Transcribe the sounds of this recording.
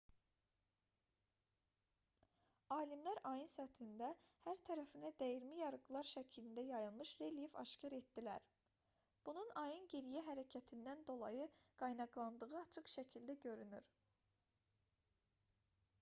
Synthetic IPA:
ɑːlimlæɾɑjɯnsæt̪ʰind̪æhæɾt̪ʰæɾæfinæd̪æjiɾmijɑɾɯɡɯlˠɑɾʃæcʰilind̪æjɑjɯlˠmɯʃɾe̞ljevɑ̰ʃcʰɑɾe̞t̪d̪ilæ̰ɾ | b̥ununɑjɯnɟeɾijæɦæɾæcʰæt̪ʰind̪ænd̪o̞lˠɑjɯɡ̥ɑjnɑɡlˠɑnd̪ɯɣɯɑt͡ʃʰɯkʃæcʰilʲd̪æɟø̞ɾynyɾ

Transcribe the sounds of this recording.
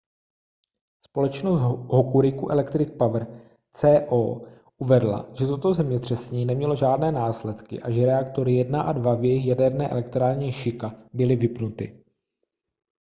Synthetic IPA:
spo̞lɛt͡ʃnost̪ɦokuɾɪkuʔɛ̰lɛkt̪ɾɪk̚pavr̩ | t͡sɛːʔoː | ʔuvɛdla̰ʒ̥ɛt̪o̞t̪o̞zɛmɲɛt̪r̝̥ɛsɛɲiːnɛmɲɛlo̞ʒaːdnɛːnaːslɛt̪kɪ̰ʔaʒɛɾɛakt̪o̞ɾɪjɛdnaʔadvavjɛjɪxjadɛɾnɛːʔɛ̰lɛkt̪ɾaːɾɲɛʃɪkabɪlɪvɪpnut̪ɪ̰

